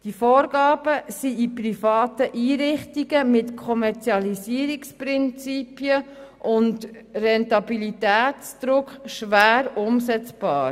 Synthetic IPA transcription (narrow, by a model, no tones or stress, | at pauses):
d̥ifɔːɾɡɑːb̥əsiiprifɑːtəʔiːɾɪχtiɡəmɪtkʰɔmɛɾt͡siɑlisiːɾikspɾɪnt͡sipiəʔʊnd | rɛntɑbilitæːtt͡sd̪̥ɾʊkχʃʋæːɾʊmsɛt͡sb̥ɑːɾ